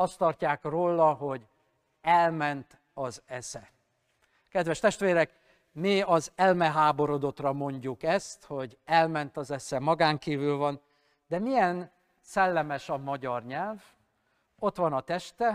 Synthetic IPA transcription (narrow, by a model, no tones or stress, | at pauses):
ɒst̪ɒrcaːkroːlːɒɦo̞ɟ | ɛlmɛnt̪ | ɒzɛsɛ | kɛd̪ʋɛʃt̪ɛʃt̪ʋeːɾɛk | miɒzɛlmɛɦaːbo̞ɾo̞d̪o̞t̪rɒmo̞ɲɟukɛst̪ho̞ɟɛlmɛnt̪ɒzɛsɛmɒɡaːŋkiːvylvɒn | d̪ɛmijɛn | sɛlːɛmɛʃɒmɒɟɒrɲɛlv | o̞t̪ʋɒnɒt̪ɛʃt̪ɛ